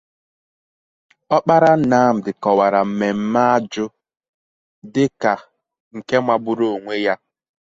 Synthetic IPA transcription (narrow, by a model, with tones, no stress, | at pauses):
ɔ˦k͡pa˦ɾa˦na˦m̩˨dɪ˨kɔ˨wa˨ɾa˨m̩˨me˨m̩˦ma˦a˦d͡ʒʊ˦ | dɪ˦ka˨ | ŋ̩˨ke˦ma˨bʊ˦ɾo˨o˨ŋʷe˦ja˦